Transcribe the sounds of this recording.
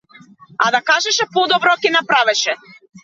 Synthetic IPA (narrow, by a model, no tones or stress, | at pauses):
ad̪akaʒɛʃɛpɔd̪ɔbɾɔkɛnapɾavɛʃɛ